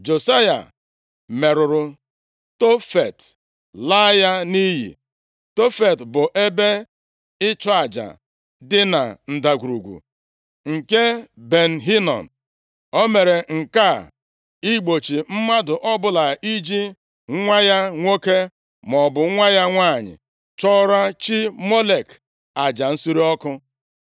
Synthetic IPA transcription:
d͡ʒo˨sa˦ja̰˨ | me˨ɾʊ˨ɾʊ˨ | to˦fe˨t | la˦ja˦ni˦ɦḭ˨ | to˦fe˨tbʊ˨ʔe˦be˦ | ɪ˦t͡ʃɔ˦a˨d͡ʒa̰˨ | dɪ˦na̰˨n̩˨da˨ɡʷu˨ɾu˨ɡʷṵ˨ | ŋ̩˨ke˦be˨n̩˨ɦi˦nɔ̰˨n̩˨ | o˦me˨ɾe˨ŋ̩˨ka˦˨ | i˦ɡ͡bo˨t͡ʃi˨m̩˦ma˦dʊ˨ʔɔ˦bʊ˦la˨i˦d͡ʒi˦ | ŋ̩˦ŋʷa˦ja˦ŋʷo˦ke˦ | m˨ɔ˨bʊ˨˦ŋʷa˦ja˦ŋʷa˦˨ɲɪ̰˨ | t͡ʃɔ˦ɾa˦t͡ʃi˦mo˦le˨k | a˨d͡ʒa˨n̩˦su˦ɾi˦ɔ˦kʊ˦

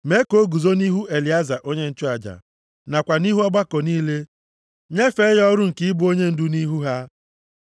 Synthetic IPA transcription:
me˦ko˨˦ɡu˨zo˦ni˦ɦu˦ʔe˨li˨a˦za˨ʔo˦ɲe˦n̩˦t͡ʃʊ˦a˨d͡ʒa̰˨ | na˨kʷa˨ni˦ɦu˦ɔ˦ɡ͡ba˦kɔ˨niː˦le˦ | ɲe˦fe˦jɔ˦ɾʊ˦ŋ̩˨kɪ˦ɪ˦bʊ˦o˦ɲe˦n̩˦dʊ˦ni˦ɦu˦ɦa˦

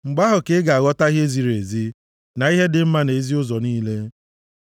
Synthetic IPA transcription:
ŋ͡m̩˨ɡ͡ba˦ɦʊ˨ke˦ɡa˨a˨ɣɔ˦ta˦ɦje˦zi˨ɾe˨zi˦ | na˨i˦ɦe˦dɪ˨m̩˦ma˦ne˨˦zi˦ʊ˦zɔ˨niː˦le˦

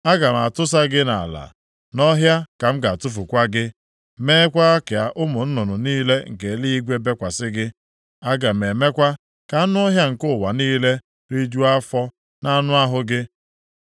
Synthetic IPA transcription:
a˦ɡa˨m̩˨a˨tʊ˦s̬a˦ɡɪ˦na̰˨la̰˨ | nɔ˦ɦja˦ka˨m̩˦ɡa˨a˨tʊ˦fu˨kʷa˦ɡɪ˦ | meː˦kʷa˦a˦ke˨a˨ʔʊ˦mʊ˨n̩˦nʊ˨nʊ˨niː˦le˦ŋ̩˨ke˨li˦i˦ɡʷe˦be˦kʷa˨sɪ˦ɡɪ˦ | a˦ɡa˨m̩˨e˨me˦kʷa˦ | ka˨˦nʊ˦ɦja˦ŋ̩˨kʊ˦˨wa˨niː˦le˦ | ɾi˦d͡ʒu˦a˦fɔ˦ | na˦nʊ˦a˦ɦʊ˦ɡɪ˦

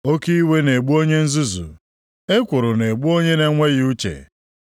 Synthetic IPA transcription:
o˦ki˦i˦we˦ne˨ɡ͡bu˦o˦ɲe˦n̩˦zu˦zṵ˨ | e˦kʷʊ˨ɾʊ˨ne˨ɡ͡bu˦o˦ɲe˦ne˦ŋʷe˦ɣɪ˦u˦t͡ʃḛ˨

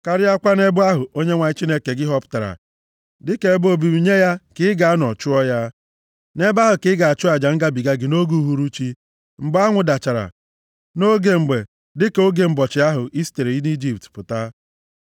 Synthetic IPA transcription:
ka˨ɾɪ˦a˦kʷa˦ne˦bʊ˦a˦ɦʊ˨o˦ɲe˦ŋʷa˨ɲɪ˦t͡ʃi˦ne˦ke˨ɡɪ˦ɦɔ˦pʊ̥˨ta˨ɾa̰˨ | dɪ˦ke˨e˦bʊ˦o˨bi˨ɾi˨ɲe˦ja˦kɪ˦ɡa˨˦nɔ˨t͡ʃʊ˦ɔ˦ja˦ | ne˦ba˦ɦʊ˨kɪ˦ɡa˨a˨t͡ʃʊ˦a˨d͡ʒa˨ŋ̩˦ɡa˦bi˨ɡa˦ɡɪ˨no˦ɡu˦˨˦ɦu˦ɾu˦t͡ʃi˦ | ŋ͡m̩˨ɡ͡ba˦ŋʷʊ˨da˨t͡ʃa˨ɾa̰˨ | no˦ɡe˨ŋ͡m̩˨ɡ͡be˨ | dɪ˦ko˦ɡe˨m̩˨bɔ˨t͡ʃɪ˨˦a˦ɦʊ˨ʔi˦ste˨ɾi˨i˦di˦d͡ʒi˨p̚tpʊ˨ta˦

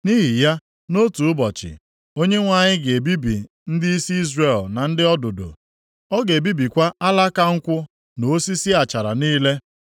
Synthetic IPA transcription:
ni˦ɦi˨ja˦ | no˦tu˨ʊ˦bɔ˨t͡ʃɪ̰˨ | o˦ɲe˦ŋʷa˨ɲɪ˦ɡe˨e˨bi˦bḭ˨ | n̩˦dɪ˦i˦si˦i˦zre˨lna˨n̩˦dɪ˦ɔ˦do˨do̰˨ | ɔ˦ɡe˨bi˦bi˨kʷa˦a˦la˦ka˦ŋ̩˦kʷʊ˦ | no˨˦si˦si˦a˨t͡ʃa˨ɾa̰˨niː˦le˦

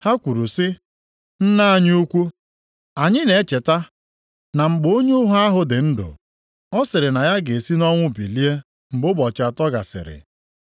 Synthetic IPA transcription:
ha˦kʷu˨ɾu˨sɪ˦ | n̩˦na˦a˨ɲ˦u˦kʷu˦ | a˨ɲɪ˦ne˨˦t͡ʃe˨ta˦ | na˨ŋ͡m̩˨ɡ͡bo˦ɲu˦ʊ˦ɦʊ˦a˦ɦʊ˨dɪ˨n̩˦dʊ̰˨ | ɔ˦sɪ˨ɾɪ˨na˨ja˦ɡe˨e˨si˦nɔ˦ŋʷʊ˦bḭ˨li˦e˦ | ŋ͡m̩˨bʊ˦bɔ˨t͡ʃa˨tɔ˦ɡa̰˨sɪ̰˨ɾɪ̰˨

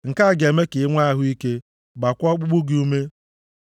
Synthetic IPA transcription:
ŋ̩˨ka˦˨ɡe˨me˦kɪ˨ɪ˦ŋʷa˦a˦ɦʊ˦i˦ke˦ | ɡ͡ba˨kʷɔ˦k͡pu˦ɡ͡bu˦ɡi˦u˦me˦

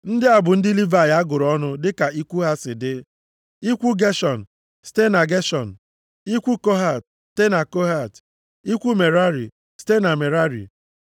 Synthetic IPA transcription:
n̩˦dɪ˦a˨bʊ˨n̩˦dɪ˦li˦va˨ja˦ɡʊ˨ɾɔ˦nʊ˦dɪ˦ka˨i˦kʷu˦ɦa˦sɪ˨dɪ˦ | i˦kʷu˦ɡe˦ʃɔ˨n̩˨ | ste˦na˨ɡe˦ʃɔ˨n̩˨ | i˦kʷu˦ko˦ɦa˨t̚ | ste˦na˨ko˦ɦa˦˨t | i˦kʷu˦me˨ɾa˦ɾi˨ | ste˦na˨me˨ɾa˦ɾḭ˨

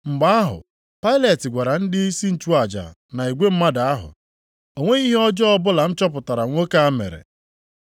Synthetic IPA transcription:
ŋ͡m̩˨ɡ͡ba˦a˦ɦʊ̰˨ | pa˦ɪ˦le˨tɪ˨ɡʷa˨ɾa˨n̩˦dɪ˦i˦si˦n̩˨t͡ʃu˦a˨d͡ʒa̰˨na˨i˨ɡʷe˦m̩˦ma˦da˨a˦ɦʊ̰˨ | o˨ŋʷe˦i˦ɦi˦ɔ˦d͡ʒɔ˦ɔ˦bʊ˦la˨n̩˦t͡ʃɔ˦p̬ʊ˨ta˨ɾa˨ŋʷo˦ka˦a˦mḛ˨ɾḛ˨

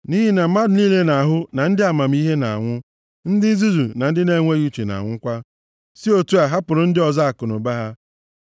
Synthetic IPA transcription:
ni˦ɦi˦na˨m̩˨˦ma˦dʊ˨niː˦le˦na˨ɦʊ˦na˨n̩˦dɪ˦a˨ma˨m̩˦i˦ɦe˦na̰˨a̰˨ŋʷʊ˦ | n̩˦dɪ˦n˦zu˦zu˨na˨n̩˦dɪ˦ne˨˦ŋʷe˦ju˦t͡ʃe˨na̰˨ŋʷʊ˦ŋ̩˦kʷa˦ | si˦o˨tu˦a˨ɦa˦pʊ˨ɾʊ˨n̩˦dɪ˦ɔ˨za˦a˨kʊ˨nʊ̰˨ba˦ɦa˦

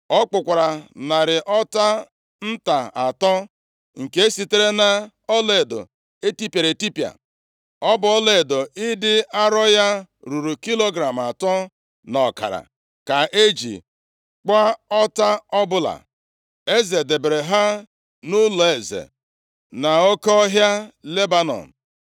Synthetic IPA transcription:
ɔ˦k͡pʊ˨kʷa˨ɾa˨na˨ɾɪ˨ʔɔ˦ta˦ | n̩˦ta˨a˨tɔ˦ | ŋ̩˨ke˦e˦si˨te˦ɾe˦na˦ | ɔ˦le˨e˨do̰˨ | e˦ti˦pja˨ɾe˨ti˦pja̰˨ | ɔ˦bʊ˨˦ɔ˦le˨do˨ɪ˦dɪ˦a˦ɾɔ˦ja˦ɾu˨ɾu˨ki˦lo˦ɡɾa˨m˨a˨tɔ˦ | nɔ˨ka̰˨ɾa̰˨ | ka˨ʔe˦d͡ʒḭ˨ | k͡pa˦ɔ˦ta˦ɔ˦bʊ˦la̰˨ | e˦ze˨de˨be˨ɾe˨ɦa˦ | nʊ˦lɔ˨e˨zḛ˨ | na˨o˦kɔ˦ɦja˦le˦ba˦nɔ̰˨n̩˨

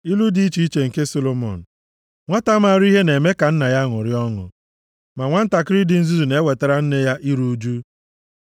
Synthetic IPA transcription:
i˦lu˦di˨i˦t͡ʃi˨˦i˦t͡ʃe˨ŋ̩˨ke˦so˦lo˨mɔ̰˨n̩˨ | ŋʷa˦ta˦ma˨ɾi˦ɦe˦ne˨me˦ka˨n̩˦na˨ja˦ŋʊ˨ɾɪ˦ɔ˦ŋʊ̰˨ | ma˨ŋʷa˦n̩˦ta˨kɪ˦ɾɪ˦dɪ˨n̩˦zu˦zu˨ne˨˦we˨ta˨ɾa˨n̩˦ne˦ja˦ʔi˦ɾu˦d͡ʒu˦

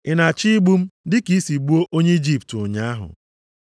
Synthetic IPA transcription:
ɪ˨na˨t͡ʃi˦ɡ͡bu˦m̩˦dɪ˦ki˦si˨ɡ͡bu˦o˦ʔo˦ɲe˦i˦d͡ʒi˦ptʊ˨ɲa˦a˦ɦʊ̰˨

